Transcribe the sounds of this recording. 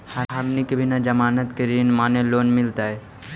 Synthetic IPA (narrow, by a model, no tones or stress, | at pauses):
həɾɦəmnikəbʱinad͡ʒəmaːnət̪kəɾiːnmaːneloːnmɪlt̪aɦɛ